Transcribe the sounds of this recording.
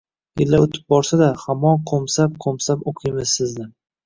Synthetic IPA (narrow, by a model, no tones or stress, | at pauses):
jɪlːaot̪ʰɪ̥p̚bɒɾsad̪ahamɒnqʰomsap̚qʰomsapoqʰɨjmɪzsɪznɪ